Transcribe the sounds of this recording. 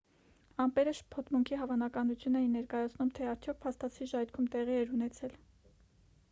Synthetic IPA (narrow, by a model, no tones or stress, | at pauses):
ɑmpɛɾəʃpʰɔt̪muŋkʰiɦɑvɑnɑkɑnut͡sʰjunɛjinɛɾkɑjɑt͡sʰnumt̪ʰɛɑɾt͡sʰjɔk̚pʰɑst̪ɑt͡sʰiʒɑjɾkʰumt̪ɛʁiɛɾunɛt͡sʰɛl